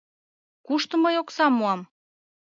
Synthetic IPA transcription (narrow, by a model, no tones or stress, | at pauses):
kuʃt̪ɤ̆məjoksɑmuɑm